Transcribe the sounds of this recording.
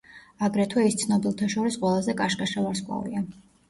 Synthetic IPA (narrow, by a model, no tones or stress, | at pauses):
aɡɾɛt̪ʰuist̪sʰnɔbilˠt̪ʰaʃɔɾisqʼwɛlˠazɛkʼaʃkʼaʃavaɾskʼwa̰vḭa